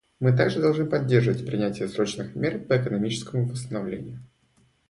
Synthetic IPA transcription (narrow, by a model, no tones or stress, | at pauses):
mɨt̪aɡʐɨd̪ɐlˠʐnɨpɐdʲːerʐəvətʲpɾʲɪnʲætʲɪjəsɾo̞t͡ɕnɨxmʲerpəɛkənɐmʲit͡ɕɪskəmʊpəst̪ənɐvlʲḛnʲɪjʊ